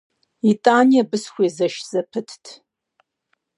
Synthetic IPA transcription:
itʼaːnijɐbɨsxʷeːzɐʃz̥ɐpʰɨtʰtʰ

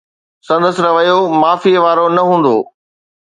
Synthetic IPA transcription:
sɐ̃nd̪əsɪ̆ɾɐʋɐjomaːfiʋaːɾonɐɦũːn̆d̪o̰ː

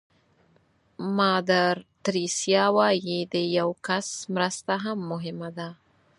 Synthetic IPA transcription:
mɑd̪aɾt̪ɾisjɑwɑjid̪əjawkasmɾəst̪aɦamːʊɦɪmad̪a

